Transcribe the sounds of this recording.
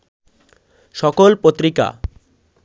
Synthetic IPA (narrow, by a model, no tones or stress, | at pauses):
ʃɔkolpot̪ːɾika̰